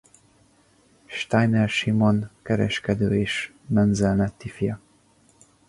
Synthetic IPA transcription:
ʃt̪ajnɛrʃimonkɛɾɛ̰ʃkɛd̪øːeːʃ | mɛnzɛlnɛt̪ːifijɒ

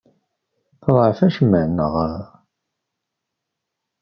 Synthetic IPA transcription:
θəðˤʕfæʃəmːəʕnːəʁəɾ

